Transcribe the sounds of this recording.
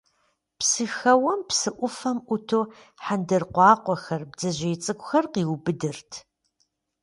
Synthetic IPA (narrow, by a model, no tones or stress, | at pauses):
psɨxɐwɐmpsɨʔʷʊfɐmʔʷʊtʰoː | ħandɐrqʷɑːqʷɔxɐrb̚d͡zɐʑʷeːt͡sʼɨkʷʼʊxɐrqiːwbɨdɨrtʰ